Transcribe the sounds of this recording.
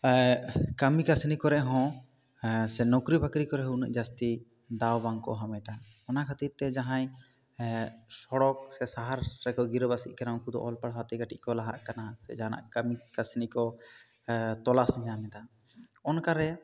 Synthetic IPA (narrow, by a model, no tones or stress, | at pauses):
kəmikasnikɔɾɛʔɦɔ̃ | sɛnɔkɾibəkɾikɔɾɛɦuʔnə̰ʔd͡ʒast̪i | d̪awbaŋkɔ̰ɦamɛʈa | ɔnakʰət̪it̪ːɛd͡ʒaɦãj | sɔɽɔk̚sɛsaɦaɾɾɛkɔɡiɾbasḭʔ̪̚ˀkaɾãkud̪ɔ̰ʔɔlpaɽɦat̪iɡaʈiʔkɔlaɦa̰ʔkanasɛ̰d͡ʒaana̰ʔkəmikasnikɔ | t̪ɔlasɲamɛd̪a | ɔnkaɾɛ